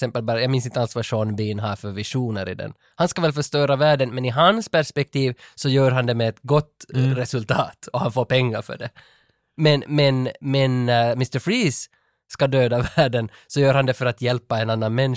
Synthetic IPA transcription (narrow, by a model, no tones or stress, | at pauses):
sɛmpəlbɑːɾajɑːɡmɪnsɪnt̪əalsvɑʂɔnbiːnɦaɾfœɾvɪʂuːnəɾɪ̰d̪ɛ̰n | hanskavɛlfœʂt̪œːɾavæːɖənmɛnɪɦanspæʂpɛk̚t̪ʰiːvsɔjœːɾɦand̪ɛmɛːt̪ɡɔt̪ːɾɛsɵlt̪ʰɑːt̪ɔhanfoːɾpɛŋːaɾfœ̰ɖɛ | mɛnmɛnmɛnmɪst̪əɾfɾiːsː | kad̪øːd̪avæːɖən | sɔjœːɾhand̪ɛfœɾat̪jɛlpːaɛnanːanmɛn